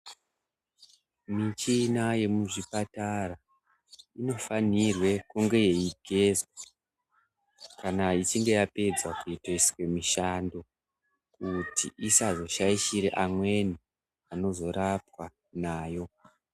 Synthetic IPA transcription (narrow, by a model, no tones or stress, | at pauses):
mit͡ʃinaje̞muʐipatara | ino̞fanirwe̞kuŋɡe̞je̞iɡʱe̞zwa | kanait͡ʃiŋɡe̞jape̞d͡zwakuitoisi̥we̞miʃando̞ | kutḭʔisazo̞ʃaiʃiɾeʔamwe̞ni | ano̞zo̞ɾapwa | naːjo̞